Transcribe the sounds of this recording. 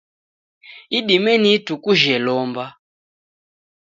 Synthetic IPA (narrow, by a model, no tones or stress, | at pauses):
iɗimɛnitukuʒɛlɔmba